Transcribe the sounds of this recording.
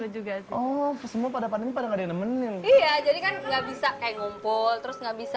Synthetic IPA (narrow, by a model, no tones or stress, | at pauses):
ad͡ʒuɡaɔfsəmuapadapananipadaŋɡadanəmənɪnijad͡ʒadikanŋɡaʔbisakajaŋumpʊlt̪əɾʊsŋɡaʔbisa